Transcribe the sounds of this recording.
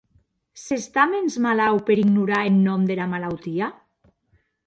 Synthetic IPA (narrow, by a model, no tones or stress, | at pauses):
sest̪amenzmalawpeɾiɡnuɾaenːɔmd̪elamalawt̪ia